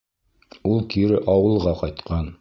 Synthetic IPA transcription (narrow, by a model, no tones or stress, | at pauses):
ulˠkiɾɘʔɑwɤ̆lˠʁɑqɒjt̪qɑn